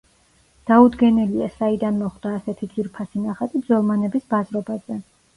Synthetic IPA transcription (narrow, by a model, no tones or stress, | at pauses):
d̪̥aud̪ɡɛnɛliasaid̪anmɔχd̪̥aːsɛt̪ʰid̪ziɾpʰasinaχat̪ʼib̪zɔlˠmanɛbisbazɾɔbazɛ